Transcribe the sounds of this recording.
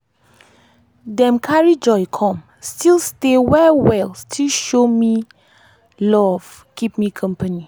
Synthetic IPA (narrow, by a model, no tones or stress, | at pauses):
dɛ̃mkʰaɹid͡ʒɔɪkʰɔ̃m | stilstewɛwɛlstʰilʃomi | lɔv | kip̚mikʰʌ̃mpəni